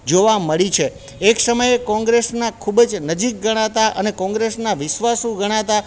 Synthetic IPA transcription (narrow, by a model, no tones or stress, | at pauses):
d͡ʒoʋaməɭit͡ʃʰeː | ksəməjekɔ̃ŋɡɾesnakʰubd͡ʒnəd͡ʒik̚ɡəɽ̃at̪aʔənekɔ̃ŋɡɾesnaʋɪʃʋasũɡəɽ̃at̪a